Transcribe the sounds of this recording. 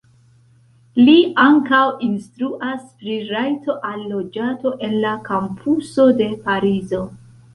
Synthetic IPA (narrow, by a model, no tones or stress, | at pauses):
liaŋkawinstɾuʔaspɾiɾajto̞ʔalːo̞d͡ʒato̞ʔe̞nlakampʰuso̞de̞paɾizo̞